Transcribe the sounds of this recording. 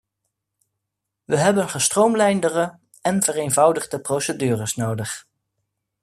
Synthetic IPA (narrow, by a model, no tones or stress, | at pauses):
ʋəɦɛbənχəstrowmlɛjndərə | ɛnvərejnvɑwdəχdəprowsədyːrəsnowdəχ